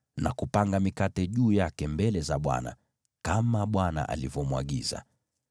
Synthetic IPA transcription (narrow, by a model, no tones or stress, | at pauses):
nakupaŋɡamikatɛʄuːjakɛmbɛlɛzaɓwa̰na̰ | kamaɓwana̰ʔa̰livɔmwa̰ɠḭza̰